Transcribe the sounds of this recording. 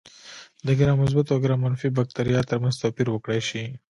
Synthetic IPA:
d̪əɡɪɾɑmʊz̬bat̪aɡɪɾɑmanfibak̚t̪aɾijɑt̪ːəɾmanzt̪opiɾwəkɽajʃi

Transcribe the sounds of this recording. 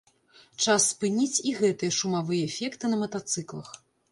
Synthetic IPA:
t͡ʂasːpɨnʲit͡sʲiɣɛt̪ɨjɐʂumavɨjɐːfʲɛkt̪ɨnɐmɐt̪at̪sɨklˠɐ̰x

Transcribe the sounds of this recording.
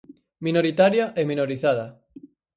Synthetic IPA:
mĩnoɾit̪aɾjaʔemĩnoɾiθaða

